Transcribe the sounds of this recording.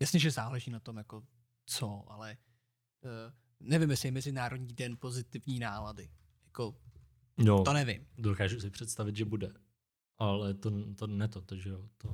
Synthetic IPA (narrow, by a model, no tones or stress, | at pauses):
jasɲɛʒɛzaːlɛʒiːnat̪o̞mjako̞ | t͡soʔa̰lɛ | nɛvɪmjɛsɪjɛmɛzɪnaːɾodɲiːdɛnpo̞zɪt̪ɪvɲiːnaːladɪ | jako | jot̪onɛvɪ̰mdokaːʒusɪpr̝̥ɛt̪st̪avɪt̪ʒɛbudɛ | ʔalɛt̪ot̪onɛt̪ot̪oʒɛjot̪o